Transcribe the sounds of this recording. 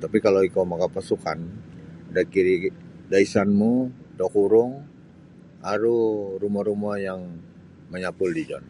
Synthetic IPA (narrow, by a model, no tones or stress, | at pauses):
t̪apikaloikomakapasukandakiɾidaisanmudɔkuɾʊŋ | aɾuɾumɔɾumajaŋ | məɲapʊldid͡ʒɔ̰n